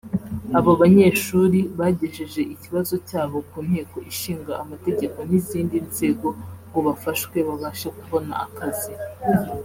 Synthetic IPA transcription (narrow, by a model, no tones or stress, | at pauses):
aβoβaɲe̞ʃuːɾiβaɟe̞ʒeʒe̞ʔiciβazo̞caːβo̞kuːn̥he̞ːko̞ʔiʃiːŋɡaʔːmate̞ɟe̞ko̞n̥iziːndinze̞ɡo̞ŋɡoβafaʃwe̞βaβaːʃakuβo̞na̰akʰazi